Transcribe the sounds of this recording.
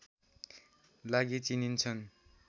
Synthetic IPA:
laɡit͡sinint͡sʰʌn

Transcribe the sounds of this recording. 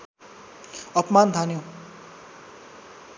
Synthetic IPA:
ʌpmand̪ʱanjo

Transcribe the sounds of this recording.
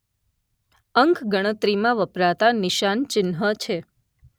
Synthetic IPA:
əŋkʰɡəɽ̃ət̪ɾimãʋəpɾat̪anɪʃant͡ʃɪnɦət͡ʃʰe

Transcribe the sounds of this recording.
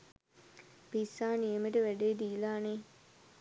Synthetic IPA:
pisaːnieməʈəʋæɖeːd̪iːlaːne

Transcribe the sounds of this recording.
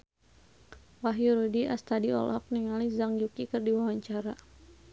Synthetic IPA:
waɦjuɾudiʔast̪adiɔ̰lɔk̚niŋalizaŋd͡ʒukikɨrdiwawaɲt͡ʃaɾa

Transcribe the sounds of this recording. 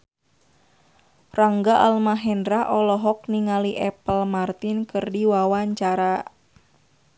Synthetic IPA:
raŋɡaʔalmaɦɛndɾaʔɔlɔɦɔk̚niŋaliʔɛpəlmart̪ɪnkɨrdiwawaɲt͡ʃaɾa

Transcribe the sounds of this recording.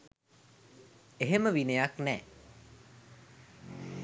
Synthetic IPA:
eɦeməʋinejaknɛː

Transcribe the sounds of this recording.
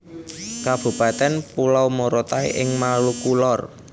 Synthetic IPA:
kab̥ṳpat̪ɛnpulawmoɾot̪aḭʔɪŋmalukulɔr

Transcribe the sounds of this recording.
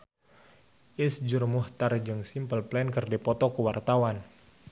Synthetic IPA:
ʔisd͡ʒurmuht̪ard͡ʒɨŋsimpəlplɛnkɨrdipɔt̪ɔkuwart̪awan

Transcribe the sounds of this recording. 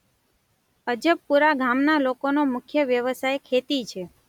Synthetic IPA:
əd͡ʒəpːuɾaɡʱamnalokonomʊkʰjəʋjəʋəsajkʰet̪it͡ʃʰe

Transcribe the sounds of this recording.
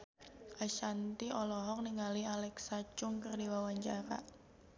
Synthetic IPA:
ʔaʃant̪iʔɔlɔɦɔk̚niŋalialɛksat͡ʃʊŋkərdiwawaɲt͡ʃaɾa̰ʔ

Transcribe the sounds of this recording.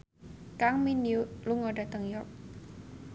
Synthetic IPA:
kaŋminjuluŋɔɖat̪əŋjɔrk̚

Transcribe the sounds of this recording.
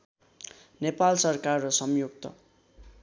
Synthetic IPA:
nepalsʌrkarːʌsʌmjoɡ̚t̪ʌ̰

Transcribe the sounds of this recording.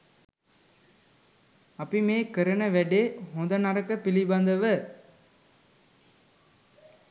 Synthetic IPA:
ɐpimeːkəɾɐnɐʋæɖeːɦond̪ɐnɐɾɐkːɐpilibɐnd̪ɐʋə

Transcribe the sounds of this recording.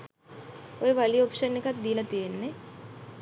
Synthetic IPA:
ojeʋaliopʃənːekat̪̚d̪ijelat̪ijenːe

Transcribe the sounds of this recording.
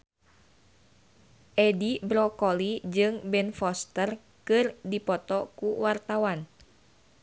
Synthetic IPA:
ʔɛdibɾɔkɔlid͡ʒɨŋbɛnfɔst̪ər | kɨrdipɔt̪ɔkuwart̪awan

